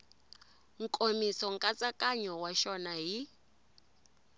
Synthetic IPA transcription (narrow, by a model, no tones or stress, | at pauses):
ŋ̩kʼomisɔŋkʼat͡sʼakʼaɲɔwaʃɔnaɦi